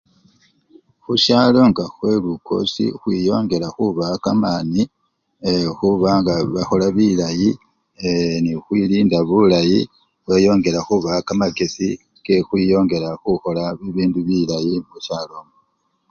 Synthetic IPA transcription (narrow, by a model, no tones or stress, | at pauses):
xuʃaːlo̞ŋɡaxwe̞lukʰo̞̰sḭxwiːjo̞ːŋɡe̞ɾaxuβakamani | exuβaŋɡaβaxo̞laβilaji | nixwiːliːndaβulaji | βajo̞ːŋɡe̞ɾaxuβakamaɡe̞si | ke̞xwiːjo̞ːŋɡe̞ɾaxuxo̞laβiβiːnduβilajimuʃaːlo̞m